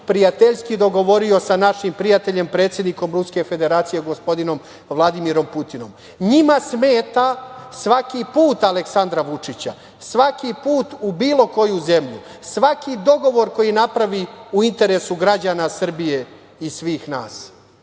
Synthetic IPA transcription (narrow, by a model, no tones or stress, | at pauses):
pɾijat̪eʎskid̪o̞ɡo̞ʋo̞ɾio̞sanaʃimpɾijat̪e̞ʎe̞mpɾe̞ːt̪sje̞d̪niko̞mɾuske̞fe̞d̪e̞ɾaːt̪sije̞ɡospo̞d̪ino̞m | ʋlˠad̪imiɾo̞mput̪ino̞m | ɲimasmeːt̪asʋakipuːt̪ale̞ksand̪ɾaʋut͡ʂit͡ɕa̰ | sʋakipuːt̪ubiːlo̞ko̞juze̞mʎṵ | sʋakid̪o̞ɡo̞ʋo̞ɾko̞jinapɾaʋiuint̪e̞ɾe̞suɡɾad͡ʑanasr̩bije̞ | isʋiːxnaːs